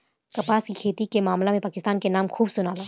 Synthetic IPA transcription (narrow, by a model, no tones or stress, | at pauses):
kɐpaːskikʰeːt̪ikemaːmlamẽpaːkɪst̪aːnkenaːmkʰuːbsʊnaːlaː